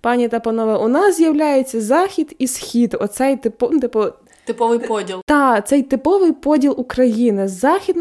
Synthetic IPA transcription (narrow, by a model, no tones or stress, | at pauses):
pɑnʲit̪ɐpɐnɔʋɛʊnɑszʲjɐwlʲajet͡sʲːɐzɑxʲid̪isxʲid̪ɔt̪sɛjt̪ɪpɔt̪ɪpɔ | t̪ɪpɔʋɪjpɔdʲilˠt̪ɑt̪sɛjt̪ɪpɔʋɪjpɔdʲilˠukɾɐjinɪzɑxʲid̪